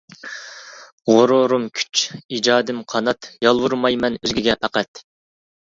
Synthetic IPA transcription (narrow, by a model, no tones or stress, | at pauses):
ʁoɾoɾumkʲʰy̥t͡ʃid͡ʒɑːd̪ɪmqʰɑnɑt̪jɑlˠwuɾmɑjmɛnøzɡʲiɡʲɛpʰæqæt̪